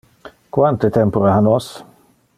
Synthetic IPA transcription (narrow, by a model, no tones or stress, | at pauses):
kwant̪ət̪ʰɛmpʊɾəɦanɔs